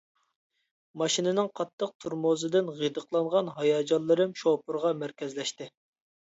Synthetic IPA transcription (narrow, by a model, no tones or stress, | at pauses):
mɑʃinɪnɨŋqʰɑt̪ʰːəq̚t̪ʰuɾmozɨd̪ɪnʁid̪əqʰlˠɑɴʁɑnɦɑjɑd͡ʒɑnlˠːɨɾɨmʃopʰɨɾʁɑmæɾkʲɛzlɛʃt̪ɪ